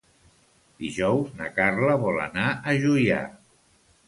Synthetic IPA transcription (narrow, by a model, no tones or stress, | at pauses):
d̪iʒɔwznəkarləβɔlə̰naʔəʒuja̰